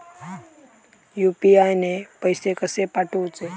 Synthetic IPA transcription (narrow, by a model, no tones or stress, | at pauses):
juːpiaːjnepəjsekəsepaʈũːt͡ʃe